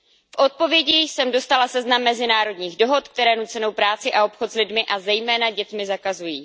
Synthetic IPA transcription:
fʔo̞t̪̚po̞vjɛɟiːsɛmdo̞st̪alasɛznamːɛzɪnaːɾo̞dɲiːɣdo̞ɦo̞t̪k̚t̪ɛɾɛːnut͡sɛno̞wpɾaːt͡sɪʔao̞pxot̪zlɪdmɪʔazɛjmɛːnaɟɛt̪mɪzakazujiː

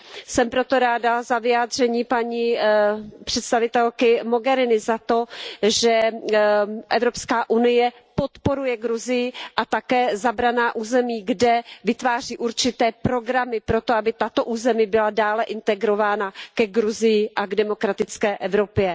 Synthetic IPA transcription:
sɛmpɾo̞t̪o̞ɾaːdazavɪjaːd̪r̝ɛɲiːpaɲi | pr̝̥ɛt̪st̪avɪt̪ɛlkɪmo̞ɡɛɾɪnɪzat̪o̞ʒɛ | ʔɛvɾo̞pskaːʔunɪjɛ | po̞t̪po̞ɾujɛɡɾuzɪjɪʔat̪akɛːzabɾanaːʔuːzɛmiːɡdɛvɪt̪vaːr̝iːʔuɾt͡ʃɪt̪ɛːpɾo̞ɡɾamɪpɾo̞t̪oabɪt̪at̪o̞ʔuːzɛmibɪladaːlɛʔɪnt̪ɛɡɾo̞vaːnakɛɡɾuzɪjɪʔaɡdɛmo̞kɾat̪ɪt͡skɛːʔɛvɾo̞pjɛ

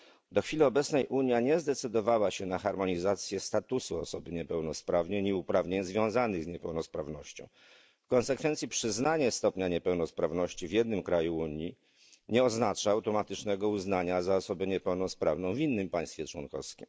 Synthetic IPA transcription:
d̪ɔxfʲiliɔbɛtsnɛjʔuɲjaɲɛzd̪ɛt̪sɘd̪ɔvawaɕɛnaxaɾmɔɲizat̪sʲjɛst̪at̪usuɔsɔbɘɲɛpɛwnɔspɾavɲeɲiupɾavɲeɲzvʲjɔ̃w̃zanɘɣzɲɛpɛwnɔspɾavnɔɕt͡ɕɔ̰̃w̃ | fkɔnsɛkfɛnt̪sʲipʂɘznaɲɛst̪ɔpɲaɲɛpɛwnɔspɾavnɔɕt͡ɕivjɛd̪nɘmkɾajuuɲji | ɲɛɔznat͡ʂaawt̪ɔmat̪ɘt͡ʂnɛɡɔuznaɲazaɔsɔbɛɲɛpɛwnɔspɾavnɔ̃w̃vʲinːɘmpaj̃st̪fʲjɛt͡ʂwɔ̰nkɔ̰fskʲim

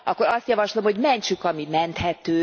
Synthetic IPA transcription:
ɒkːo̞ɾɒst̪jɒvɒʃlo̞mhoɟmɛɲt͡ʃykɒmimɛnt̪hɛt̪øː

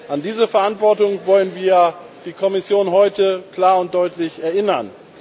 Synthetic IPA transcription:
ʔandiːzəfɛɐʔantv̥ɔɐtʊŋvɔlənviːɐɐ | d̥iːkʰɔmɪsjoːnɦɔʏtəkl̥aːɐʊnt̚d̥ɔʏtʰlɪçɛɐʔɪnɐn

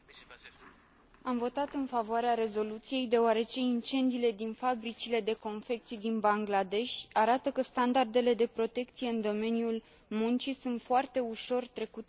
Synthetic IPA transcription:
amvo̞t̪at̪ɨnfavoaɾeaɾe̞zo̞lut̪sije̞jd̪e̞oaɾe̞t͡ʃe̞int͡ʃe̞nd̪iːle̞d̪infabɾit͡ʃile̞d̪e̞ko̞nfe̞k̚t̪sijd̪inbaŋɡlad̪e̞ʃʲaɾat̪əkəst̪and̪ard̪e̞le̞d̪e̞pɾo̞t̪e̞k̚t̪sije̞ɨnd̪o̞me̞njul | munt͡ʃisunt̪foart̪e̞uʃo̞rt̪ɾe̞kut̪e

